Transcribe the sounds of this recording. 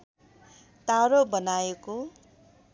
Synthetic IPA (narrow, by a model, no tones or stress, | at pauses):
t̪aɾobʌnajeko